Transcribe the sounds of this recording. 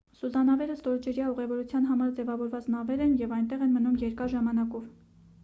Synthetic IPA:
sud̪ɑnɑvɛɾəst̪ɔɾd͡ʒɛɾjɑuʁɛvɔɾut͡sʰjɑnɦɑmɑɾd͡zɛvɑvɔɾvɑt͡snɑvɛɾɛnjɛvɑjnt̪ɛʁɛnmənumjɛɾkɑɾʒɑmɑnɑkɔv

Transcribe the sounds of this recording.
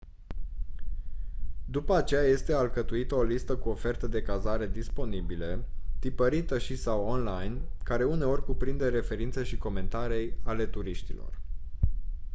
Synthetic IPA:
d̪upəat͡ʃe̞jaje̞st̪e̞alkət̪uit̪əo̞list̪əkuo̞fe̞rt̪əd̪e̞kazaɾe̞d̪ispo̞nibilet̪ipəɾit̪əʃisawonlajnkaɾe̞une̞o̞rʲkupɾind̪e̞ɾe̞fe̞ɾint̪seʃiko̞me̞nt̪aɾejale̞t̪uɾiʃt̪ilo̞̰r

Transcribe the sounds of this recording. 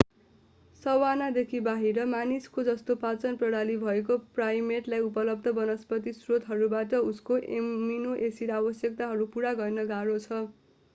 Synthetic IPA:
sʌwanad̪ekʰibaɦiɾʌmaniskod͡zʌst̪opat͡sʌnprʌɽalibʱʌek̬oprajmeʈlajupʌlʌb̚d̪ʱʌbʌnʌspʌt̪isrot̪ɦʌɾubaʈʌuskoʔemminoʔesiɾabʌsjʌk̚t̪aɦʌɾupuɾaɡʌrnʌɡaɾot͡sʰʌ

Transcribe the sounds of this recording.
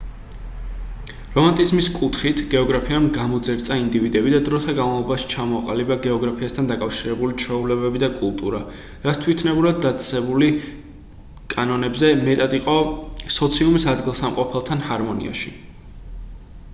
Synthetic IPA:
ɾɔmant̪ʼizmiskʼut̪ʰχit̪ʰɡɛɔɡɾapʰiamɡamɔd̪zɛɾt̪sʼaind̪ivid̪ɛbid̪ad̪ɾɔt̪ʰaɡanvavlˠɔbaʃi̥t͡ʃʰamɔaqʼalibaɡɛɔɡɾapʰiast̪ʰand̪akʼafʃiɾɛbulit͡ʃʰwɛulɛbɛbid̪akʼulˠt̪ʼuɾa | ɾat̪st̪ʰwit̪ʰnɛbuɾad̪̚d̪ːat̪sʼsɛbuli | kʼanɔnɛbzɛmɛt̪ʼad̪iqʼɔsɔt̪sʰiumisad̪ɡilˠsamqʼɔpʰɛlˠt̪ʰanhaɾmɔnḭa̰ʃi

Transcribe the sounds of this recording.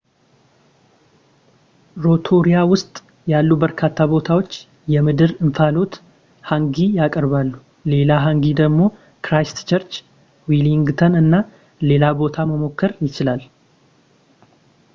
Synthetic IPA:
ɾo̞t̪ʰo̞ɾijawʊst̪ʼ | jalːubəɾkʰat̪ʰːabo̞t̪ʰawo̞t͡ʃː | jɛmɨd̪ɨɾɨɱfalo̞t̪ | haŋɡijakʼəɾβalːu | le̞laɦaŋɡid̪əɡmo̞ | kɾajst̪t͡ʃəɾt͡ʃ | wiliŋɡt̪ʰənɨnːa | le̞labo̞t̪ʰaməmo̞kːəɾjɪt͡ʃɪlal

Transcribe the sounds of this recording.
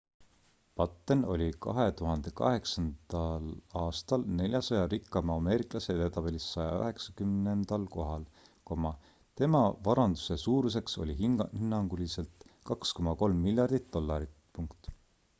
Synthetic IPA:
pɑt̪ːˑeno̞lʲikɑ̰ɦe̞t̪uɦɑnd̪̥e̞kɑ̰ɦe̞ksɑnd̪̥ɑlɑːst̪ɑlne̞lʲjɑsɑjɑɾikːˑɑmɑme̞ːɾiklɑse̞t̪et̪ɑbelʲisːɑjɑ̰ø̰ɦe̞ksɑkymnend̪̥ɑlko̞ɦɑlko̞mɑ | t̪e̞mɑvɑɾɑnd̪̥u̥se̞suːɾus̬e̞kso̞̰lʲiɦihinːɑŋɡuliselt̪kɑksko̞mɑko̞lmːilʲjɑrd̪̥it̪̚d̪̥o̞lːɑɾit̪puŋkt̪ˑ

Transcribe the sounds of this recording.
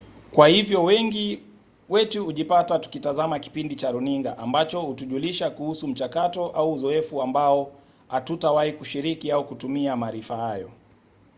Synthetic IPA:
kwahivjɔwɛŋɡi | wɛtuhuʄipatatu̥kitazamaki̥pindit͡ʃaɾuniŋɡa̰ʔambat͡ʃɔhutuʄuliʃakuhusum̩t͡ʃakatɔʔauːzɔɛfuambaɔ | atutawahikuʃiɾikiaukutumiamaːɾifahajɔ

